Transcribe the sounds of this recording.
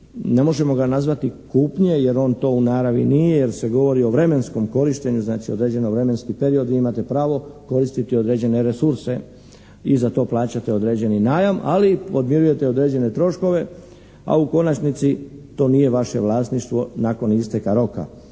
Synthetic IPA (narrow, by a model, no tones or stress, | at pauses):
ne̞mo̞ʒe̞mo̞ɡanazʋat̪ikuːpɲe̞je̞ɾo̞ːnt̪o̞ːunaːɾaʋḭnije̞jeɾse̞ɡo̞ʋo̞ɾio̞ʋɾe̞mensko̞mko̞ɾiʃt̪e̞ɲuznaːt͡ʃio̞d̪ɾe̞ːd͡ʑe̞no̞ʋɾe̞me̞nskipe̞ɾio̞d̪ʋiimat̪e̞pɾaːʋo̞ko̞ɾist̪it̪io̞d̪ɾe̞d͡ʑe̞ne̞ɾe̞suɾse̞ | izat̪o̞ːplˠaːt͡ɕat̪eo̞d̪ɾe̞ːd͡ʑe̞ninaːjamʔalio̞d̪mjieɾuje̞t̪e̞od̪ɾe̞ːd͡ʑe̞ne̞t̪ɾo̞ʃko̞ʋe̞ | a̰uko̞nat͡ʃnit̪sit̪o̞ːnije̞ʋaʃe̞ʋlˠaːsniʃt̪ʋo̞nako̞nist̪e̞kaɾo̞ka̰